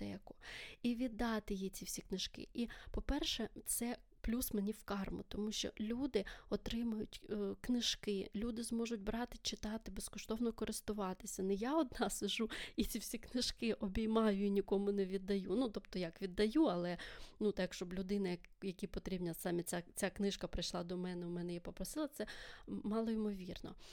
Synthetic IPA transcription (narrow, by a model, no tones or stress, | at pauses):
t̪ɛkɔ̥iʋʲid̪ːɑt̪ɪjit͡sʲiwsʲiknɪʃkɪ̰ʔipɔpɛrʃɛt̪sɛ | plʲusmenʲiwkɑrmʊ̰t̪ɔmuʃt͡ʃɔ̰lʲud̪ɪɔt̪ɾɪmɐjʊtʲknɪʃkɪlʲud̪ɪzmɔʒʊtʲbɾɑt̪ɪt͡ʃɪt̪ɑt̪ɪbeskɔʃt̪ɔwnɔkɔɾɪst̪ʊʋɑt̪ɪsʲɐnɪjɑɔd̪̚nɑsɪʒuit͡sʲiwsʲiknɪʃkɪʔɔbʲijmɑjʊinʲikɔmʊnɛʋʲid̪ːɐjunut̪ɔb̚t̪ɔjakʋʲid̪ːɐjuɐlˠɛnut̪ɑkʃt͡ʃɔblʲʊd̪ɪnɐjɐjɐkʲipɔt̪ɾʲibnʲɐsɑmʲɛt͡sʲat͡sʲaknɪʃkɐpɾɪjʃlˠɑd̪ɔmɛnɛʊmɛnɛjipɔpɾɔsɪlˠɐt̪sɛmɑlˠɔimɔʋʲirnɔ̰